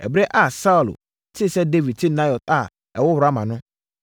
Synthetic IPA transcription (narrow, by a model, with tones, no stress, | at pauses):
ɛ̰˨bɾɛ˦ʔa˦˨sa˦u˨l̰ | tʰɪ˦sɛ˦de˦vi˨d̚tʰɪ˦nã˦jɔ˨ta˨ | ɛ˨wʊ˦hʊ˨ɾa˦mã˨nʊ̃˦